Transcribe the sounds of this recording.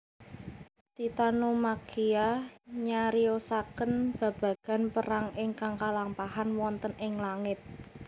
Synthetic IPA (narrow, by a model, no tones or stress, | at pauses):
t̪it̪anomakiaɲaɾiosakənb̥a̤b̥ä̤ɡ̥a̤npəɾaŋɪŋkaŋkalampahanwɔnt̪ənɪŋlaŋɪt̪̚